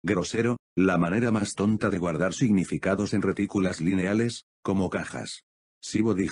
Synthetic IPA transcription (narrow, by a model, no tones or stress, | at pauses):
ɡɾose̞ɾolamane̞ɾamast̪o̞nt̪aðeɣwaɾðaɾsiɣnifikaðo̞se̞nret̪ikulazline̞ale̞s | ko̞mo̞kaxa̰s | siβoði